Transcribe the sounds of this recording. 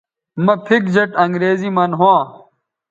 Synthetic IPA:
mɐpʰik̚d͡ʑɐʈɐŋɡɾeːzimɐnɦuãː

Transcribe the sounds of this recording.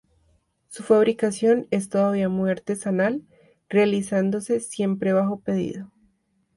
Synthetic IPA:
sufaβ̞ɾikasjo̞ne̞st̪o̞ðaβiamwe̞ɾt̪e̞sanal | realisand̪o̞se̞sje̞mpɾe̞βaxo̞pe̞ðḭðo̞

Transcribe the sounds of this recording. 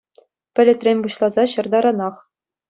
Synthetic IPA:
pʲɘ̆lʲɘ̆t̪ʲrʲemʲbuɕlˠɑzɑɕɤ̆rd̪ɑɾɑnɑχ

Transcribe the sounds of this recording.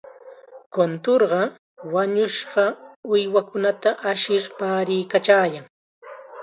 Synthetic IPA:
kont̪oɾɢɑ | waɲʊʃɢɑʊjwakʊnat̪aʔaʃɪɾpaːɾɪjkat͡ʃaːjaŋ

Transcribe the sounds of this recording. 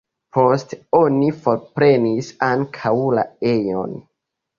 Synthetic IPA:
po̞sto̞nifo̞ɾpɾe̞nisaŋkʰawla̰e̞jo̰n

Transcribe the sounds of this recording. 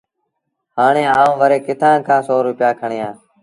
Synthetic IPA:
haːɳ̃eːaːũːʋəɾeːkɪt̪ʰãːkʰãːsoːɾʊpɪjaːkʰəɳɪjãː

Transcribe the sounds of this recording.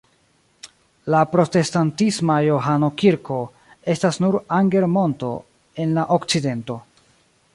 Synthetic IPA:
lapɾo̞te̞stantismajo̞ɦano̞kiɾkʰo̞ | e̞stasnuɾaŋɡe̞ɾmo̞nto̞̰ | e̞nlaʔokt͡side̞nto̞

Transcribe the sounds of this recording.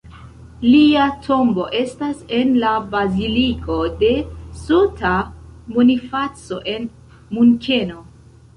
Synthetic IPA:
liatʰo̞mbo̞ʔe̞stase̞nlabazilikʼo̞de̞sotʰamunifat͡so̞̰ʔe̞n | muŋkʰeno̞

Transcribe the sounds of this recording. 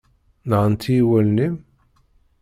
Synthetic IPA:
nʁənt̪ːijiwælnim

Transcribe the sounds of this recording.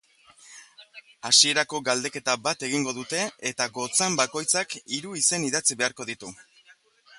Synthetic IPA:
asie̞ɾako̞ɡald̪e̞ke̞t̪abat̪e̞ɣiŋɡo̞ðut̪e̞et̪aɡo̞t͡sembako̞jt͡sakiɾuise̞niðat͡siβe̞aɾko̞ð̞it̪u

